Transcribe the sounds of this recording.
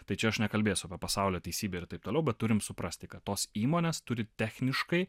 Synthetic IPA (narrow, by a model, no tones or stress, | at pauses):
t̪ɐɪt͡ʃʲɛɐʃnʲɛkɐlʲbʲeːjsʲʊɐpʲiɛpɐsɑˑʊlʲoːt̪ʲɛɪsʲiːbʲɛːɪɾt̪ɐɪp̚t̪oːlɛʊbʲɛt̪t̪ʊɾʲɪmsʊpɾɐsʲt̪ʲɪkɐt̪toːsiːmoːnʲeːst̪ʊɾʲɪt̪ʲæxʲnʲɪʃkɐɪ